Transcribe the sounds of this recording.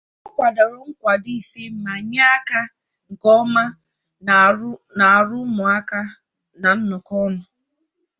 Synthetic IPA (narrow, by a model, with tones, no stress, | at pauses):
ɔ˦kʷa˨da˨ɾʊ˨ŋ̩˦kʷa˨di˦i˨si˦m̩˨ma˨ɲa˦a˦ka˦ | ŋ̩˨kɔ˦ma˦ | na˨a˨ɾʊ˦mʊ˨a˦ka˦ | na˨n̩˦nʊ˨kɔ˦nʊ˦